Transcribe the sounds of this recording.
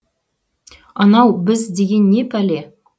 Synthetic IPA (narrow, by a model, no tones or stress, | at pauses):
ɑnɑwbɘzd̪eɡʲenːepælʲe